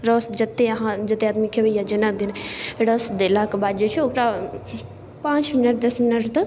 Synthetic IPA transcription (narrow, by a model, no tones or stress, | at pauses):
ɾosd͡ʒɐt̪ːeɐɦãd͡ʒɐt̪eaːd̪mikʰeʋejad͡ʒɐnad̪ineɽɐsd̪elakbaːd̪d͡ʒot͡ʃʰiokʈa | pãːt͡ʃminəʈd̪ɐsminəʈt̪ɐ